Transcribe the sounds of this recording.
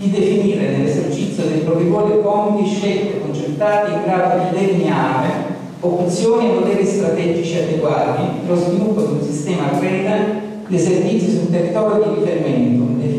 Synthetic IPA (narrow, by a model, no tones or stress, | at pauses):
d̪id̪efiniːɾenelːezert͡ʃit̪sːjod̪ejpɾovivɔːɾipɔnt̪iʃːelt̪ekont͡ʃert̪aːt̪iiŋɡɾaːlat̪elid̪ɛrniaːme | opt̪sjoːnievot̪ɛːɾist̪ɾat̪ɛd͡ʒit͡ʃiad̪eɡwaːt̪ipeɾlozvilupːod̪iunsist̪ɛːmaɡɾɛt̪a | lezervit̪sːjisulnt̪erit̪ɔːljod̪iɾifeɾimɛnt̪o